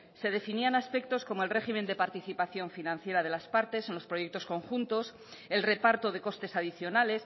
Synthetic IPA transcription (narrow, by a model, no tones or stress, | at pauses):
se̞ð̞e̞finianaspe̞k̚t̪o̞sko̞moe̞lre̞ximẽnd̪e̞paɾt̪iθipaθjo̞ɱfinãnθje̞ɾað̞e̞laspaɾt̪e̞senlo̞spɾo̞je̞k̚t̪o̞sko̞ŋxunt̪o̞s | e̞lre̞paɾt̪o̞ð̞e̞ko̞st̪e̞saðiθjo̞nale̞s